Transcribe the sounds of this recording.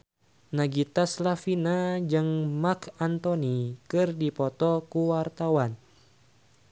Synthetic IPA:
naɡit̪aslafinad͡ʒɨŋmakant̪onikɨrdipɔt̪ɔkuwart̪awan

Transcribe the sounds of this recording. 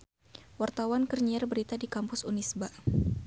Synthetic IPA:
wart̪awankərɲiarbəɾit̪adikampʊsunisba

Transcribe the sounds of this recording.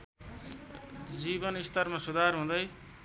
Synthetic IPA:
d͡zibʌnist̪ʌrmasud̪ʱarɦũd̪ʌj

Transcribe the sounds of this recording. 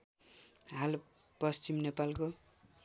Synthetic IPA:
ɦal | pʌst͡simnepalko

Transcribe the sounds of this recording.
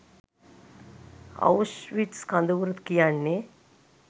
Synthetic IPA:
a̰wʃʋiʈskand̪əʋuɾət̪kijanːe

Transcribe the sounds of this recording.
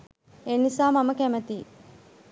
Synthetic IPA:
enisaːmaməkæmət̪i

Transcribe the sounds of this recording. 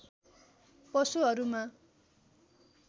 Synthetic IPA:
pʌsuɦʌɾuma

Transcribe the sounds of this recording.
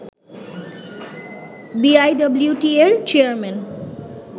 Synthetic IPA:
biajɖʌbljuʈieɾt͡ɕeaɾmen

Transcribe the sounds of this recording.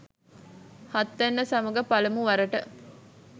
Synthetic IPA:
hɐt̪ːenːəsɐmɐɡɐpɐlɐmuʋɐɾɐʈə

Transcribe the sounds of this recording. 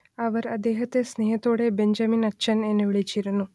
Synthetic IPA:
ɐʋɐɾɐd̪eːɦɐt̪esneːɦɐt̪oːɽebeɲd͡ʒɐminɐtːʃɐneːnɐʋiɭit͡ʃːiɾɐnu

